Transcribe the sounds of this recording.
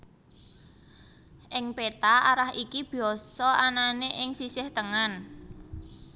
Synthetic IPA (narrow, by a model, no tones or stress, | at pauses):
ʔɪŋpet̪aaɾahikib̥iɔsɔʔananeʔɪŋsisɪht̪əŋan